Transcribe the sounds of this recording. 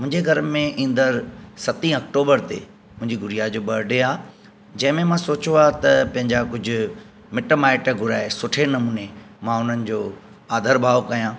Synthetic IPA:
mʊ̃ɦɪ̃ɲd͡ʑeɡʱɐɾmẽʔĩːn̆d̪əɾsɐt̪ĩːɐk̚ʈoːbəɾt̪ḛ | mʊ̃ɦɪ̃ɲd͡ʑiɡʱʊɾijad͡ʑoːɓɐɾɖeaː | d͡ʑɐ̃ɦɪ̃mẽmãsoːt͡ɕoaːt̪ɐpɐ̃ɦɪ̃ɲd͡ʑakʊd͡ʑʱʊ̆ | mɪʈəmaːɪʈɡʱʊɾaːesʊʈʰenɐmuːne | mãʊn̤ənɪ̆d͡ʑoː | aːd̪ʱəɾbʱaːʋkɐijãː

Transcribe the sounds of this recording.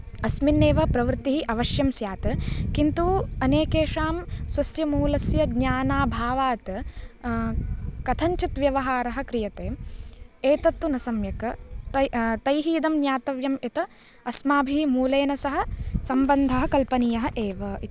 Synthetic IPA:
ɐsminːeːʋɐpɾɐʋɾt̪iɦiʔɐʋɐʃjɐmsjaːt̪ɨkint̪uɐneːkeːʂaːmsʋɐsjɐmuːlɐsjɐd̪ɲaːnaːbʱaːʋaːt̪ | kɐt̪ʰɐɲt͡ʃit̪ʋjɐʋɐɦaːɾɐɦɐ̆kɾijɐt̪eːmeːt̪ɐt̪ːunɐsɐmjɐkɐ | t̪ɐjɦiːd̪ɐmnjaːt̪ɐʋjɐmet̪ɐ | ɐsmaːbʱiɦimuːleːnɐsɐɦɐ̆sɐmbɐnd̪ʱɐɦɐ̆kɐlpɐnijɐɦɐʔeːʋɐi

